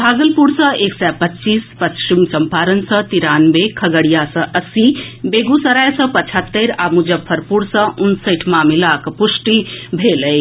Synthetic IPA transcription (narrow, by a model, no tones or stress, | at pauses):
bʱaːɡəlpuɽsə̃eːksɛpɐtːt͡ʃiːspɐst͡ʃimsɐmpaːɾənsə̃t̪iɾaːnbekʰɐɡəɽijasə̃ʔɐsibeːɡusəɾajsə̃pɐt͡ʃʰət̪ːeɾamud͡ʒəbʰɐɾpuɾsə̃ʔʊnsəʈʰmãmilaːkpusʈibʱeːləj